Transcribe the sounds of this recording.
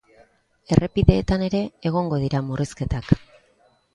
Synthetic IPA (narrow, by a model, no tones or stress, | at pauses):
e̞rʔe̞piðe̞ːt̪ane̞ɾe̞ːɣ̞o̞ŋɡo̞ðiɾamuriske̞t̪ak